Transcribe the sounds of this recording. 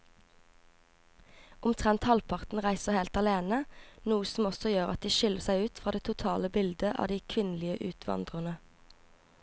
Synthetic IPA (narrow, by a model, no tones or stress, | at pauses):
ʔʊmt̪ʰʁɛnt̪hɑlpʰɑʁt̪n̩ʁæɪsəʁheːlt̪ɑleːnənuːəsm̩ɔsɔjøːʁɑt̪̚d̪iːʃʏləʁsæɪʉːt̪fʁɑːd̪eːt̪ʰʊt̪ʰɑːləbɪld̪əʔɑ̰ːd̪iːkʰʋɪnlɪəʔʉːt̪ʰʋɑ̰nd̪ʁənə